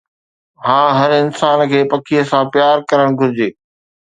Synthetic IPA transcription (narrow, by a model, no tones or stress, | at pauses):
hãːɦɐɾɪnsaːnkʰeːpɐkʰijəsãpjaːɾkɐɾəɽ̃ɡʱʊɾɪd͡ʑeː